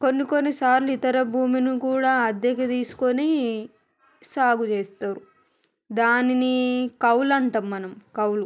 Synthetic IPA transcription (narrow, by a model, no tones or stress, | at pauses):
ko̞nːikonːisaːɾluit̪ɐɾɐbʱuːminikuːɽaːɐd̪jɐkɐt̪iːsu̥koni | saːɡut͡ʃeːst̪aːɾu | d̪aːninikɐwlɐɳʈɐmːɐnɐmkɐwlu